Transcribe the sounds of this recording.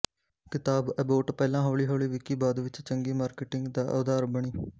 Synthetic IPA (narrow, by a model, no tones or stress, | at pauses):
kɪt̪aːbɛboːʈpɛːlãːɦoːɭiːɦoːɭiːʋɪkiːbaːd̪ʋɪt͡ʃt͡ʃəŋɡiːmaːɾkɪʈɪ̃ŋɡd̪aːʔə̰ːd̪aːɾbəɽ̃iː